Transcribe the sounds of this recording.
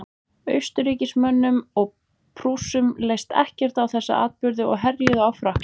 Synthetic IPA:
œɥst̪ʏɾiːcɪsmœnːʏmɔɣ | pʰɾuːsʏmlejst̪ɛ̰hcɛr̥t̪awθɛsːa̰ʔa̰ːt̪̚pʏɾðɪɔ̰ɣɦɛrjʏðʏawfɾahk

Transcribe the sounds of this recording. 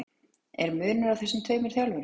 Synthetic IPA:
ɛɾmʏːnʏɾavθɛsɪmt̪ʰœːɥmɪɾ̥θjawlvɛɾ

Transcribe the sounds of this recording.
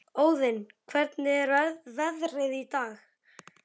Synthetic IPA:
oːwðɪnkʰvɛɾt̪nɪɾaðvɛðrɪðit̪aːx

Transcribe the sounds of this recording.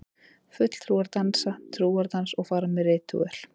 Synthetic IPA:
fʏt̪l̥t̪ʰɾuːaɾt̪ansat̪ʰɾuːaɾt̪ansɔɣfaːɾamɛrɪːt̪ṵɛ̰l̥

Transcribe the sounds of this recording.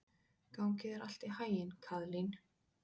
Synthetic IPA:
kawŋcɪðɛɾal̥t̪ɪhaːjɪnkʰaðlin

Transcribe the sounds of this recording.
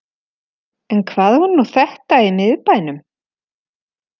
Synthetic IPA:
ɛnkʰvaːðhunːuθɛht̪aɪnɪðpajnʏm

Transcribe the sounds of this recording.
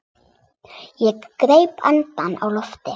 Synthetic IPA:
jɛkːɾejpʰa̰nt̪ana̰wlɔft̪ɪ

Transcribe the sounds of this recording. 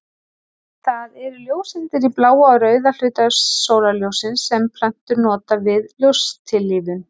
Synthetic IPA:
θaðɛɾʏljoːwsɪnt̪ɪɾiplaːwaɾœːɥðalʏɥt̪aːoːwlaljowsɪnsːɛmpʰlan̥t̪ʏɾnɔːt̪avɪðljowst̪ʰɪlːiðʏn

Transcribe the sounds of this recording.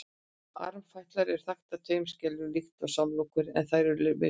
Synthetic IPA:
a̰ɾvfajht̪laɾɛɾ̥θaxt̪at̪ʰœːɥmscɛlʏlixt̪awsamloːwkʏɾɛ̰nθajɾʏɾlvɪ̰

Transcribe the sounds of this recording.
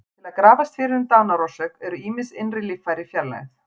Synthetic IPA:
t̪ʰɪlaðkɾaːvast̪fɪɾɪðʏmt̪aːnaɾɔsœkɛɾʏiːmɪnsɪnrɪlɪfːajɾɪfjɛɾlɛ̰ɣθ

